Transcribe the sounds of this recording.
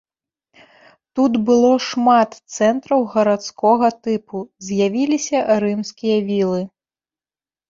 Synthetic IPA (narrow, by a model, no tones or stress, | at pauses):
t̪ut̪bɨlˠɔʂmat̪t̪sɛnt̪ɾɐwɣɐɾat̪skɔɣɐt̪ɨpuzʲjavʲilʲisʲɐɾɨmskʲijɐvʲilˠɨ